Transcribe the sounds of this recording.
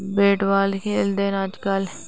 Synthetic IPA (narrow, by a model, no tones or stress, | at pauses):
beːʈʋaːlkʰeːld̪enaːd͡ʒkəl